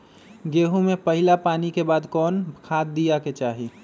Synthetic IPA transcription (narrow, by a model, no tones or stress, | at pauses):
ɡeːɦũmepəɦɪlapaːnikebaːd̪kɔːnkʰaːd̪̚ːijaket͡ʃaːɦi